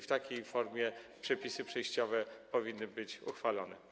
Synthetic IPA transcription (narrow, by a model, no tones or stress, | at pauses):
ft̪akʲejfɔɾmʲjɛpʂɛpʲisɘpʂɛjɕt͡ɕɔvɛpɔvʲinːɘbɘt͡ɕuxfalɔnɛ̰